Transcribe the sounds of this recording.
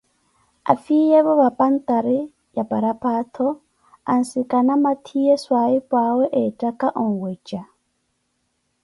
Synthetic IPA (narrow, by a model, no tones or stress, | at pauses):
a̰fijɛβɔβapʼan̩t̪aɾɛ | japʼaɾapat̪ʰɔ | a̰n̩sikʼanamat̪ʰijɛswaipʼawɛʔɛtʼakʼaʔɔŋ̩wɛt͡ʃʼa